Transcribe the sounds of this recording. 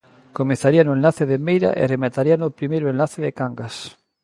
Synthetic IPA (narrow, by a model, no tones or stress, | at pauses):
komẽθaɾianʊenlaθeðemejɾa̰ʔḛremat̪aɾianʊpɾimejɾʊenlaθeðɪkaŋɡas